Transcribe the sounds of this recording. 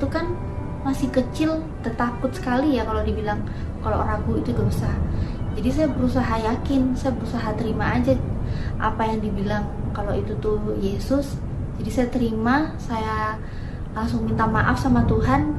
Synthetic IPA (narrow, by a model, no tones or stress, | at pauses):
it̪ukan | masɪhkət͡ʃɪl | t̪ərt̪akʊt̪sə̥kalijakalodibilaŋ | kalo̰ʔraɡuit̪udəɾusaɦad͡ʒadis̬ajabəɾus̬aɦajakɪnsajabəɾusaɦat̪əɾimaːd͡ʒa | ʔa̰pajaŋdibilaŋkaloit̪ut̪ujesʊs | d͡ʒadisajat̪əɾimasaja | laŋsʊŋmint̪amaʔafsamat̪uɦan